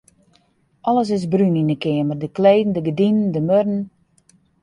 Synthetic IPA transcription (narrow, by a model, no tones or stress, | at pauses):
ʔɔləs̬ɪs̬bryninəkɪəmərdəkleːdn̩dəɡədinən̩dəmødn̩